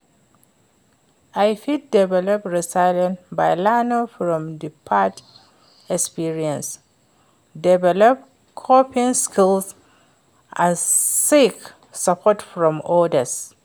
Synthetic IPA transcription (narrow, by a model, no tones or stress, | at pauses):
ajfid̚dɛvɛlɔp̚ɹisajlə̃nbajlanofɹɔ̃mdipʰat | ɛkspiɹiɛ̃ns | dɛvɛlɔp̚ | kʰɔpĩnskʰils | ʔãnsik | sapʰɔtfɹɔ̃mɔdəs